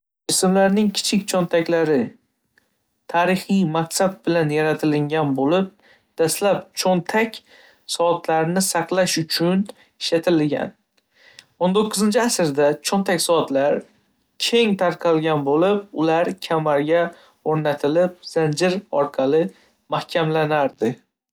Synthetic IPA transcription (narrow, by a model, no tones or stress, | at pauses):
d͡ʒɪsɪmlaɾnɪŋkʲʰɪ̥t͡ʃʰɪk̚ʲt͡ʃʰɒnt̪ʰakʲlaɾɪ | t̪ʰaɾɪχijmakʲsab̚bɪlanjaɾat̪ʰɪlɪŋɡʲanbolɪp̚ | d̪̥aslapt͡ʃʰont̪ʰakʲ | sɒːt̪ʰlaɾnɪsɑqlˠaʃʊt͡ʃʰʊn | ɪʃat̪ʰɪlɪɡʲa̰n | ont̪oqʰːʊzɪnt͡ʃʰɪasɪɾd̪at͡ʃʰont̪ʰakʲsɒt̪laɾ | kʲʰe̞ŋt̪ʰaɾqʰɑlˠɡʲanbolɪp̚ʊlaɾkʲʰamaɾɡʲa | oɾnat̪ʰɪlɪp̚z̥and͡ʒɪɾɒ̰ɾqʰɑlɪ | mahkʲʰamlanaɾd̪ɪ